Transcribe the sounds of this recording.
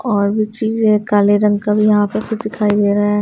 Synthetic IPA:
ɔːɾbʱit͡ʃiːzẽkaːleɾə̃ŋɡkabʱijɐɦãpɐɾkʰʊt͡ʃʰd̪ɪkʰaːid̪eːɾɐɦa

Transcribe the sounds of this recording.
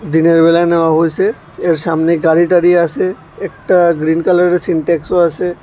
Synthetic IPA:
d̪ineɾbelanawaɦojse | eɾsamneɡaɾiʈaɾiase | ekʈaɡɾinkaləɾeɾsinʈɛksoase

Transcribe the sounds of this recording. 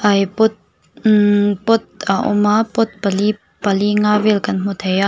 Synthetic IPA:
ʔɐjpʊt̪̚ | pʊt̪̚aʔʊ̰mapʊt̪̚pɐli | pɐliŋavɛlkɐnm̥ut̪ʰeja

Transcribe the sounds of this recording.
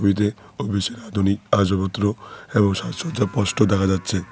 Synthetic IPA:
bit̪̬eobʱiʃeɾad̪ʱuniad͡ʑobot̪ːɾoeboŋʃaʃod͡ʑapɔʃʈod̪ɛkʰad͡ʑatːɕʰe

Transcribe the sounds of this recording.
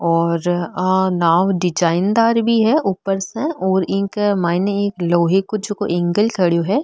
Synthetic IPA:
ɔːɾnaːʋɖɪd͡ʒaːɪnd̪aːɾbʱiɦɛʔuːpəɾsẽɔːɾɪ̃ːkmaːɪneeːkloːɦekod͡ʒokoʔẽːŋɡəlkʰɐɽjoɦɛː

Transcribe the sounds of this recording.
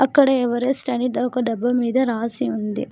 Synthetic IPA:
ɐkːɐɽeːʋɐɾesʈɐɳid̪ɐːkɐɖɐbɐmiːd̪ɐɾaːsiund̪i

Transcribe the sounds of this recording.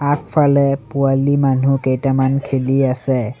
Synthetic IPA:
ak̚pʰalɛpualiman̤ukejtamankʰeliasɛ

